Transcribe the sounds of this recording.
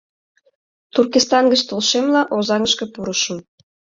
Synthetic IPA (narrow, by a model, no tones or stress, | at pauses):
t̪urkist̪ɑnɡət͡ɕt̪ulʃemlɑʔozɑŋəʃkə̆puɾəʃə̆m